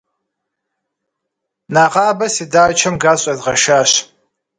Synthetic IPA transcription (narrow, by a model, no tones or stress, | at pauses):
naːʁɑːbɐsidaːt͡ʃʰɐmɡaːɕʼɐzʁɐʃaːɕ